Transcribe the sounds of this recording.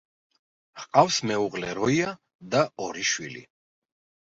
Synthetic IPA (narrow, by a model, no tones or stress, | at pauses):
ʁqʼafsmɛuʁlɛɾɔia | d̪aɔɾiʃwḭlḭ